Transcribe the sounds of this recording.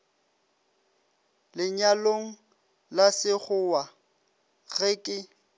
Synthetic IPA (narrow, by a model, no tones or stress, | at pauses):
lɪɲaloŋ̩ | lasɪχʊwa | ɣ̥eːkʼɪ